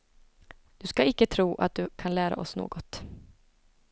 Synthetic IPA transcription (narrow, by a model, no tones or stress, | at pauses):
d̪̥ɵskaɪkːət̪ʰɾuːʔa̰t̪̚d̪ɵkʰanlæːɾa̰ʔɔsno̰ːɡɔt̪